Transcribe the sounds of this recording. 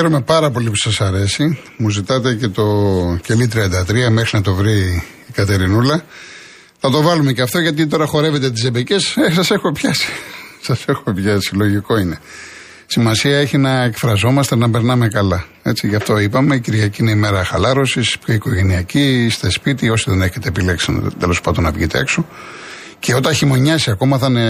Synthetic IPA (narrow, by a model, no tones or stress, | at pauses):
eɾume̞pɐɾɐpo̞lipu̥sɐsɐɾe̞si | muzit̪ɐt̪ece̞t̪o̞celit̪ɾiɐnd̪ɐt̪ɾiɐmexɾinɐt̪o̞vɾiː | kɐt̪e̞ɾinulɐ | θɐt̪o̞vɐlumeceɐft̪o̞ʝɐt̪̬it̪̬o̞ɾɐxo̞ɾe̞ve̞t̪et̪̬izebeceses̬ɐse̞xmepçɐsi̥sɐse̞xumepçɐsilo̞ʝiko̞ine̞ | simɐsiɐeçinɐekfɾɐzo̞mɐst̪enɐpe̞ɾnɐme̞kɐlɐ | e̞t͡siʝɐft̪o̞ipɐme̞iciɾʝɐciine̞ime̞ɾɐxɐlɐɾo̞sispço̞iko̞ʝe̞niɐcist̪espit̪io̞siðe̞neçe̞t̪e̞ːpileksin̰t̪elo̞spɐnd̪onɐvʝit̪ekso | ceo̞t̪ɐnçimo̞ɲɐsiɐko̞mɐθɐne